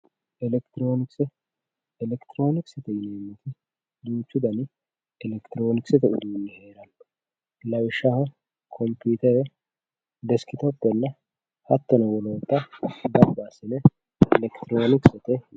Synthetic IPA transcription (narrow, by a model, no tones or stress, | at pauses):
ʔɛlɛkt̪ɪɾo̞ːnɪksɛ | ɛlɛkt̪ɪɾo̞ːnɪksɛt̪ɛjɪneːmːɪt̪ʰɪ | d̪uːt͡ʃːʊd̪ɐnɪ | ɛlɛkt̪ɪɾo̞ːnɪksɛt̪ɛʔʊd̪unːɛheːɾɐn | lɐwɪʃahɐ | kʰɔmpuːt̪ɛɾɛ | d̪ɛskɪt̪ɔpːɛnːɐ | hɐt̪ːɔnɐwɔloːt̪ːɐd̪ɐɾbaːsɛnɛ | ɛlɛkt̪ɪɾoːnɪksɛt̪ɛ